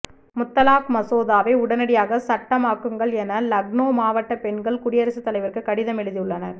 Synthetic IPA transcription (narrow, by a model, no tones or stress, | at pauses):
mʊt̪ːɐlaːk̚mɐsoːðaːʋeːʊɽɐnɐɽɪjaːɣɐsɐʈːɐmaːkːɯŋɡɐɭɛnɐlɐɡnoːmaːʋɐʈːɐpɛɳɡɐɭkʊɽɪjɐɾɐsɯt̪ːɐlɐɪʋɪrkɯkːɐɽɪðɐmɛɻɯðɪjɯɭːɐnɐɾ